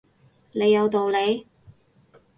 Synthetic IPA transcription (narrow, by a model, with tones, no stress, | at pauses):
le˨˧jːɐ˨˧wt̪o˨wle˨˧j